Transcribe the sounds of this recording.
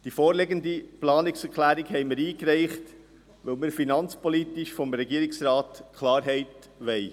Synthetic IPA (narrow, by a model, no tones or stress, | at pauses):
d̥ifɔːɾlɛɡəndiplɑːnɪksɛɾkχlæːɾikhɛɪməɾiːkɾɛɪχt | ʋœlməɾfinɑnt͡spɔlit̪ɪʃfɔmɾɛɡiːɾɪksɾɑːtkʰlɑːɾɦɛɪt | ʋɛɪ